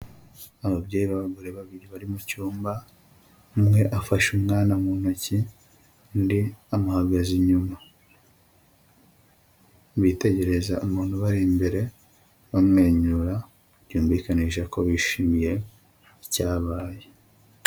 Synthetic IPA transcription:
aβabɟeːβaβaɡoɾeβaβiɾiβaɾimucuːmba | mŋe̞ʔafaʃumŋaːnamuːn̥oci | ndiamuhaɡaziɲuma | βite̞ɟe̞ɾe̞zaumuːn̥uβaɾimbe̞ɾe̞ | βamŋe̞ːɲuɾa | ɟuːmviːkaniːʃako̞βiʃiːmije̞ | caːβaːje

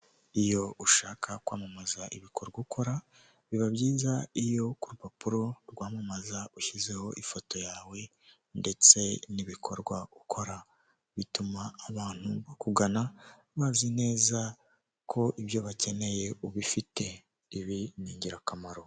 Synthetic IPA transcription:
ijo̞uʃaːkʰakwa̰ːmamazaʔiβikʰo̞ɾɡwaukʰo̞ɾa | βiβabɟiːzaijo̞kuɾupapuɾo̞ɾɡwaːmamazauçize̞ho̞ʔifo̞to̞jaːwe̞ | nde̞t͡se̞niβikʰo̞ɾɡwaukʰo̞ɾa | βitumaːβaːn̥huβakuɡana | βazine̞ːza | kʰo̞ʔiβjo̞βace̞ne̞je̞uβifite̞ | iβiniːɲɟiɾakamaɾo̞

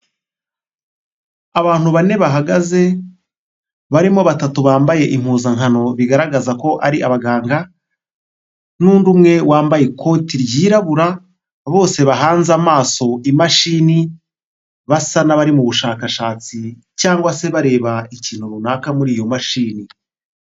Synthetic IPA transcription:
aβaːn̥huβane̞βaɦaɡaze̞ | βaɾimo̞βatatuβaːmbaje̞ʔim̥huːzaŋɦano̞βiɡaɾaɡazako̞ʔaɾiʔaβaɡaːŋɡa | nuːndumŋe̞wʔaːmbaje̞ko̞tiɾjiːɾaβuɾa | βo̞ːse̞βaɦaːnzamaːso̞imaʃiːni | βasanaβaɾimuβuʃaːkaʃaːt͡si | caːŋɡwase̞βaɾe̞ːβaiciːn̥huɾunaːkamuɾiːjo̞maʃiːni

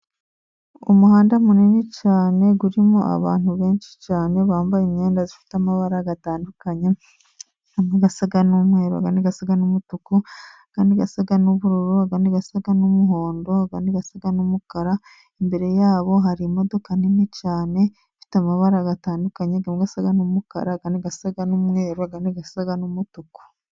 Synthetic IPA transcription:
ṵmuɦaːndamuninicaːne̞ɡuɾimoʔa̰βa̰ːn̥huβe̞ːnʃi̥caːne̞βaːmbajimɲeːndazifi̥tamaβaɾaɡataːndukaɲe | ɡameɡasaɡanumwe̞ːɾo̰a̰kaːndiɡasaɡanumutukuaɡ̥aːndiɡasaɡanuβuɾuɾuaɡandiɡasaɡanumuɦoːndo̞aɡandiɡasaɡanumukaɾa | embe̞ɾe̞jaːβo̞ɦaɾimo̞do̞kaninecaːne̞ | fi̥tamaβaɾaɡataːndukaɲeɡameɡasaɡanumuka̰ɾaɡaniɡasaɡanumŋeːɾoaɡaniɡasaɡanumutuku̥

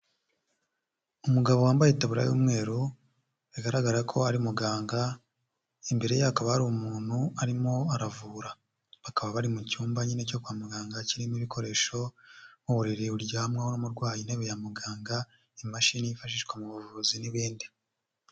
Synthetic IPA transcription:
umuɡaβo̞waːmbajitaβuɾa̰jṵːmŋe̞ːɾu | βiɡaɾaɡaɾakʰo̞aɾimuɡaːŋɡa | imbe̞ɾe̞jaakaβaaɾumuːn̥huaɾimo̞aɾavuːɾa | βakaβaβaɾimucuːmbaɲinecokwaːmuɡaːŋɡaciɾimiβikʰo̞ɾe̞ʃo̞muβuɾiɾiuɾɟahamŋahonomuɾɡwaːjineβejamuɡaːŋɡa | imaʃinijifaʃiʃɡwemuβuvuziniβiːndi

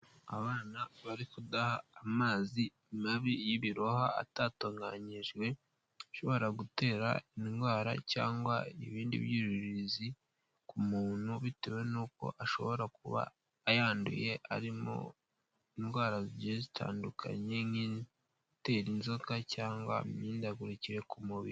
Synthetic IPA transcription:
aβaːnaβaɾikudahaːmaːzi | maβijiβiɾoha̰ːtaːtoːŋɡa̰ɲiʒwe̞ | ʃo̞βo̞ɾaɡute̞ːɾa̰iŋɡwaːɾa̰ca̰ːŋɡwaḭβiːndḭβjiɾiɾizi | kumuːnhuβitewe̞nuːko̞̰ʔaʃo̞βo̞ɾakuβa̰ː | jaːndṵje̞a̰ɾimo̞̰ | iŋɡwaːɾaziɟiezitʰa̰ːndukʰa̰ɲe̞ŋin | te̞ɾinzokacaːŋɡwa̰miːndaɡuɾiciɾe̞kumuβḭɾi

